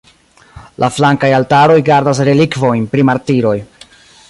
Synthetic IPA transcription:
lʔaflaŋkajaltaɾo̞jɡaɾdas̬ɾe̞likvo̞jnpɾimaɾtiɾo̞j

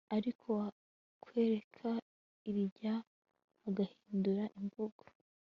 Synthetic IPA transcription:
aɾikʰo̞ | kwe̞ːɾe̞kʰa | iβiɟa | aɡahiːnduɾaʔiɱvuɡ̥o̥

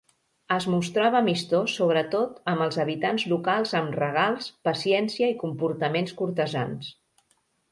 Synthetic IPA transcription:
əzmust̪ɾaβəmist̪osoβ̞ɾət̪ot̪əməlˠzəβit̪anzlukalˠzəmrəɣ̞alˠspəsiɛnsiəikumpuɾt̪əmenskuɾt̪əza̰ns

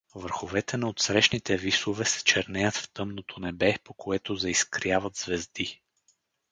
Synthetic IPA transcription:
vəɾxovɛt̪ɛnɐot̪sɾɛʃnit̪ɛvisovɛsɛ̥t͡ʃɛɾnɛjət̪ft̪ɤmnot̪ʰonɛbɛpokʰoɛt̪ozɛiskɾjavət̪zvɛzd̪i

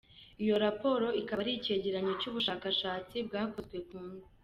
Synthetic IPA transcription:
ijo̞ɾapo̞ɾo̞ikaβaɾice̞ɟeɾaɲocuːβuʃaːkaʃaːt͡sibɡaːkozɡwe̞kuːnza

